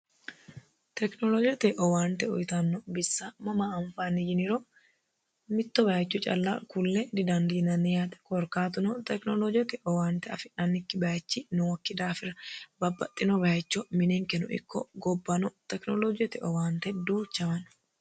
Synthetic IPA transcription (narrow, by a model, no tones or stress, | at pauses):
t̪ɛknɔlɔd͡ʒɪjt̪ɛʔɔwaːnt̪ɛɔ̰jt̪ɐnːɔbɪsːamɐmaɐɱfaːnːɪd͡ʒɪnɪɾo | mɪt̪ːɔbɐt͡ʃːʊt͡ʃʼɐ̰lːa̰ːkʊlːɛd̪ɪd̪ɐnd̪inɐnːɪjaːt̪ɛ̥kɔɾkaːt̪ʊnɔt̪ɛknɔlɔd͡ʒɪɔt̪ɛʔɔwaːnt̪ɛɐfɪɐnːɪkːɪbɐjt͡ʃːinʊwɐkːɪd̪aːfɪɾɐbɐbːɐt̪ʼːɪnɔbɐjt͡ʃːɔmɪnɛŋkɛnʊ̰ʔɪ̰kːɔ̰ɡɔbːɐnɔt̪ɛknɔlɔd͡ʒɪjɔt̪ɛʔɔwaːnt̪ɛd̪uːt͡ʃːɐmɐn